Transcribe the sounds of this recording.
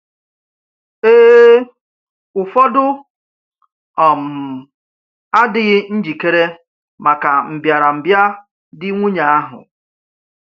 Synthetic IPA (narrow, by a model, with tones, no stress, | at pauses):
eː˦ | ʊ˨fɔ˦dʊ˦ | ɔ˨m̩˨ | a˦dɪ˨ɣɪ˦n̩˦d͡ʒi˨ke˦ɾe˦ | ma˨ka˨m̩˨bja˨ɾa˨m̩˨bja˦ | dɪ˦ŋʷu˦ɲa˨a˦ɦʊ̰˨